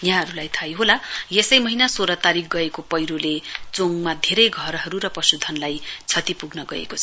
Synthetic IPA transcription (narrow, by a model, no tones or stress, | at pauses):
jãɦʌɾulajt̪ʰajɦolajesʌjmʌɦinasoɾʌt̪aɾik̚ɡʌekopʌjɾolet͡soŋmad̪ʱeɾʌjɡʱʌɾɦʌɾuɾʌpʌsud̪ʱʌnlajt͡sʰʌt̪ipuɡnʌɡʌ̰ḛkot͡sʰʌ̥